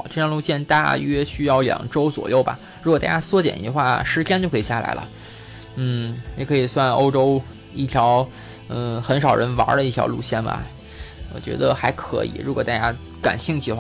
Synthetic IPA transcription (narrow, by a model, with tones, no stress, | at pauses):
ʈ͡ʂɤ˥˩jɑ˥ŋlu˥˧ɕjɛ˥˧nt̪a̰˥˧ɥɛ˥ɕy˥jɑ˥˩ʊljɑ̰˨˩ŋʈ͡ʂo˥ʊt͡swɔ̰˨˩jo˥˩ʊbɐ̰˩ | ɻu˧˥kwt̪a˥˩ja˥swɔ˥t͡ɕjɛ̰˨˩ni˧˥xwa˥˩ʂɻ̩˧˥t͡ɕʰjɛ˥nt͡ɕjkʰɤ˧˥i˨˩ɕja˥˩la̰˧˥ɪlʔə̰˧ | n̩˥˩i˧˥˩kʰɤ˧˥i˨˩swa˥˩no˥ʊʈ͡ʂo˥ʊ | i˥˩t̪ʰjɑ˧˥ʊ | n̩˥˩xə˧˥nʂɑ˨˩ʊɻə˧˥nwa̰˧˥lə˧i˥˩t̪ʰjɑ̰˧˥ʊlu˥˧ɕjɛ˥˩nbɐ̰˩ | wɔ̰˨˩t͡ɕɥɛ̰˧˥d̪ə˧xa˧˥ɪkʰɤ̰˧˥ḭ˨˩˦ɻu˧˥kwɔ˨˩t̪a˥˧˩t͡ɕja˥ | ka̰˨˩nɕi˥˧ŋt͡ɕʰi˥˩ə˧˩w